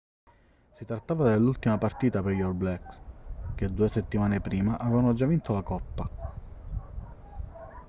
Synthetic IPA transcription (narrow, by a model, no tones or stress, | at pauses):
sit̪ɾat̪ːaːvad̪elːult̪imapart̪iːt̪aperjɔrblɛksk̟ed̪uːeset̪ːimaːnepɾiːmaʔavevanod͡ʒavːint̪olakɔpːa